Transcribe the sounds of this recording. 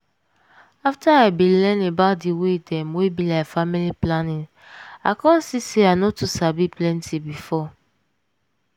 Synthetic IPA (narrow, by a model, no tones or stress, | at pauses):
aftaabĩlɛ̃nebadiwedɛmwebilafamiliplanĩn | akɔ̃n̩siseanɔtusabiplɛ̃ntʰibifɔ